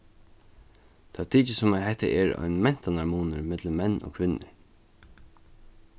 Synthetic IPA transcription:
t̪ʰɛːt̪ʰiːt͡ʃəsʊmaɦɛht̪ə̰ʔɛɹɔ̰jnmɛn̥t̪anaɹmuːnəɾmɛt̪ləmmɛnːo̰ːkʰʋɪnːə̰ɹ

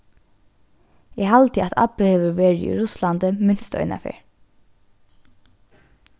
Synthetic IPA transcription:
ɛhalt̪əat̪ʰa̰pəhɛːʋəɹʋeːɹɪḭɹʊsland̪əmɪnst̪œ̰ʏna̰fɪ̰ɹ

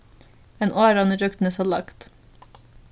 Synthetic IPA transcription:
eːnʔoːɾɑnəɾœkt̪n̩əsɑlɑ̰kt̪

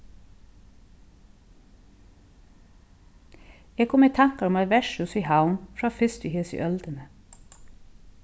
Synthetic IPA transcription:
eːɡ̚kʰʊmeːt̪ʰɑŋkɑɔmɑʋæʃʉsiːhɑʊnfɾɑːfɪst̪ʏheːsḭːʔœld̪ənə

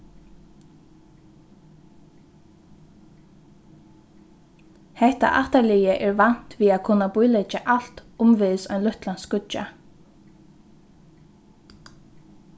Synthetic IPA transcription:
hɛht̪a̰ʔaht̪alɪjəʔɛɹvan̥t̪ʋiːaðkʰʊnːabʊjlɛt͡ʃaʔal̥t̪ʊmvɪðsɔjnlʊht̪lanskʊt͡ʃa̰

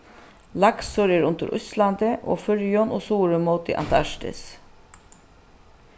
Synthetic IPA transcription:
lɑksɔɾəɾʊ̰nt̪ə̰ɾʔʊ̰slɑnd̪əʔo̰ːfœɾjɔnʔoːsuːɾəmoːt̪ḭʔɑ̰nt̪ɑʃʈə̰s

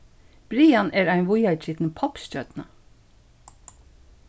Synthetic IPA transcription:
b̥ɾiːɑnʔeːɾæɪnʋʊjɑt͡ʃɪt̪n̩pʰɑpʃc͡çœt̪nə

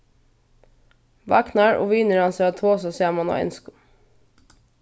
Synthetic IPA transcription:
ʋɑ̰knɑɹʔo̰ːʋyːnəɾɑnseːɑt̪ʰoːsɔseːmɑno̰ːɛ̰nskʊ

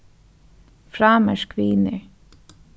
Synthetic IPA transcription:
fɾɑːməʃkʰʋiːnəɹ

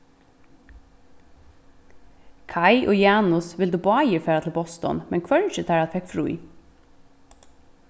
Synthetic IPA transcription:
kʰɑɪʔo̰ːjɑːnʊsʋɪld̪uːbɑːjɪfeːɾat̪ʰl̩bɔst̪ɔ̰nmɛnkʰʋœɹʃət̪ʰæːɹɑt̪fɛkfɹṵɪ

